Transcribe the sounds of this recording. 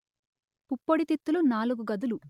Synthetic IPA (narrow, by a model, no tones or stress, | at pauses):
pupːoɽit̪it̪ːulunaːluɡuɡɐd̪ulu